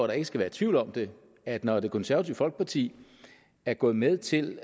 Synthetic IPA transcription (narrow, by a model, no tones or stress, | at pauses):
ɾ̥ɑ̈e̝ɡ̥əsɡ̥æʋæːɐt͡sʰʋiʊlɒ̽md̥e̝ | æd̥nɒd̥e̝kʰɔ̽nsæɐʋæt͡sʰiʊfɒ̽l̰ɡ̥ə̥pʰɑ̈t͡sʰḭː | æɐɡ̥ɔ̽ːð̩ˠmeð̞ˠt͡sʰe̝l